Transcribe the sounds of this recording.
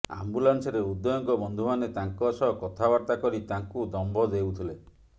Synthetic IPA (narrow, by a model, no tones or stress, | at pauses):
a̰mbulansɔɾeud̪ːɔjɔŋkɔbɔnd̪ʱumanet̪aŋkɔsɔkɔt̪ʰabaɾt̪akɔɾit̪aŋkud̪ɔmbʱɔd̪ewt̪ʰile